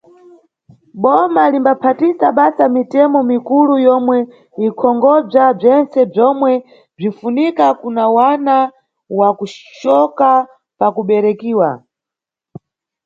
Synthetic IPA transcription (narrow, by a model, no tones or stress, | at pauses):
ɓɔmalimbapʰatisaɓasamitɛmɔmikulujɔmwɛ | ikʰɔŋɡɔb͡ʐab͡ʐɛnsɛb͡ʐɔmwɛ | b͡ʐifunikakunawana | wakuʃɔka | pakuɓɛɾɛkiːwa